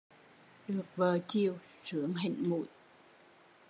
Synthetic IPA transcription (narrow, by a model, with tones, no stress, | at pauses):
ɗɨ˨˩ək̚vəː˨˩t͡ɕi˨˩əw | sɨ˨˦əŋɦḭ˧˨ŋmṵ˧˨j